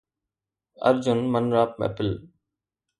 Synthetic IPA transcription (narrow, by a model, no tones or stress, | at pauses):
ə̰ɾd͡ʑʊnmənɾaːp̚mḛpɪl